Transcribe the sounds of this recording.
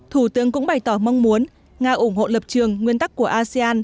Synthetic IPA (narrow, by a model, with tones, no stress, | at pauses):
t̪ʰu˧˩t̪ɨ˨˦əŋkʊ̰˧˥ŋ͡mɓa˨˩jt̪ɔ˧˩ma˧wŋ͡mmu˨˦ən | ŋaː˧˩ʔʊ˧˩ŋ͡mɦo̰˧˨ləː˨˩p̚t͡ɕɨ˨˩əŋːwi˧ənt̪a˦˥kːu˧˩əʔaː˧si˧aː˧n